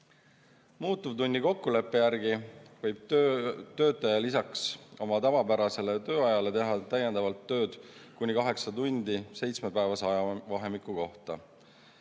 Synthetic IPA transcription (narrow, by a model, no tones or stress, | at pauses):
muːt̪ːˑuvt̪unʲːiko̞kːule̞pːe̞jærɡivɤjb̥̚øt̪ø̞ːt̪ːˑɑjɑlisɑkso̞mɑt̪ɑvɑpæɾɑse̞le̞t̪ø̞ːɑjɑle̞t̪e̞ɦɑt̪æjend̪ɑvɑlt̪ːø̞ːd̪̥kunʲikɑɦe̞ksɑt̪unʲd̪̥ise̞jt̪sme̞pæevɑsɑɑvɑɦe̞mikːˑuko̞ht̪ɑ